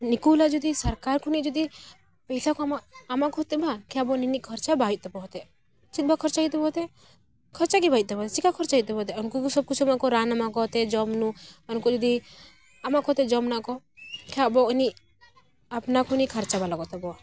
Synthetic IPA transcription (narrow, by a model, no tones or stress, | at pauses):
nikulad͡ʒud̪isəɾkaɾkʰunid͡ʒɔd̪i | pɛjsakɔamaːmakɔt̪ɛbʱakabɔninikʰɔɾt͡ʃabait̪̚t̪ɔbɔɦt̪e | t͡ʃit̪̚bʱakʰɔɾt͡ʃait̪̬ɛbɔt̪ɛ | kʰɔɾt͡ʃak̬ibʱait̪̚t̪ɔbɔt̪et͡ʃikakʰɔɾt͡ʃaɦit̪t̪ebɔt̪̬ɛɔnkukusɔb̚kut͡ʃʰamaʔkɔɾanamakɔt̪ɛd͡ʒɔmnuɔnkud͡ʒɔd̪i | amakɔt̪ɛd͡ʒɔmnakɔ | kabɔni | apnakʰunikʰəɾt͡ʃabalaɡɔt̪ɛbɔ